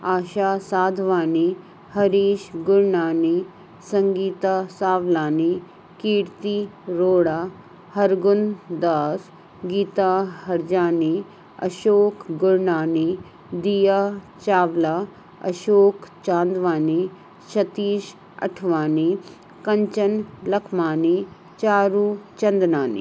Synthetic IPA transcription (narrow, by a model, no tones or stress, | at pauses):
aːʃaːsaːd̪ʱʋaːni | hɐɾiːʃɡʊɾɳaːni | sɐŋɡiːt̪asaːʋlaːni | kiːɽt̪iɾoːɽaː | hɐɾɡund̪aːs | ɡiːt̪aɦɐɾd͡ʒaːni | ɐ̰ʃoːkɡʊɾnaːni | d̪ijaː | t͡ʃaːʋlaː | ɐ̰ʃoːkt͡ʃãːnd̪ʋaːni | ʃɐt̪iːʃ | ɐ̰ʈʰʋaːni | kɐɲt͡ʃɐnlɐkʰmaːni | t͡ʃaːɾuːt͡ʃɐnd̪naːnḭ